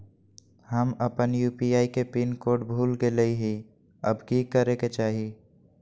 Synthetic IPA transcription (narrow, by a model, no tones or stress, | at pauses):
həməpənjuːpiaːikepinkoːʈbʱuːlɡeleiɦi | ə̰bkikəɾeket͡ʃaːɦi